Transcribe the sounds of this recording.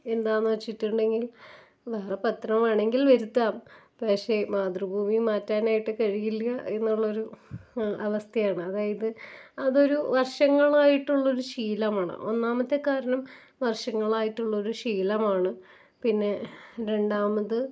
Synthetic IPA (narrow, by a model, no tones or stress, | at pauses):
e̞nd̪aːnːuʋɐt͡ɕːiʈːuɳɖe̞ŋɡil | ʋɐːrepɐt̪ːrɐmaːɳe̞ŋɡilʋɐɾut̪ːaːm | pɐkʂe̞maːd̪rɨbʱuːmimaːtːaːnaːjiʈːɨkɐɻijiljɐʔe̞nːuɭːɐo̞ɾu | ɐʋɐst̪ʰɐjaːɳɨɐðaːjɐðɨɐðo̞ɾuʋɐrʂɐŋːɐɭaːjiʈːuɭːɐo̞ɾuɕiːlɐmaːɳɨ̰ʔo̞̰nːaːmɐt̪ːe̞kaːɾɐɳɐm | ʋɐrʂɐŋːɐɭaːjiʈːuɭːɐo̞ɾuɕiːlɐmaːɳɨ | pinːe̞ɾe̞ɳɖaːmɐðɨ